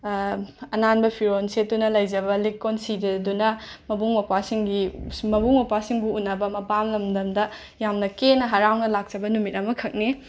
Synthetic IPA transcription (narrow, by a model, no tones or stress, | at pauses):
ɐnanbɐpʰiɾonset̚dunɐlɐjd͡ʒɐbɐlikːonsidɐdunɐmɐbuŋmɐpasiŋɡimɐbuŋmɐpwasiŋbuunːɐbɐmɐpamlɐmdɐmdɐ | jamnɐkenɐɦɐɾawnɐlak̚t͡ʃɐbɐnumitɐmɐkʰɐk̚ni